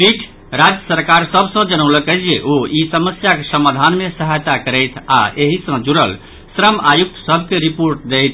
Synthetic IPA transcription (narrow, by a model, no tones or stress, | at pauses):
piʈʰ | ɾad͡ʒjəsəɾkaɾsəbʱsə̃d͡ʒənəʊləkɛd͡ʒʰeʔoisəməsjakesəmad̪ʱanmesəɦajt̪akəɾəjt̪ʰa̰ʔeɦisə̃d͡ʒuɾə̰l | sɾəmajuk̚t̪ʰsəbʱkeɾipoɾʈ̚d̪ejt̪ʰ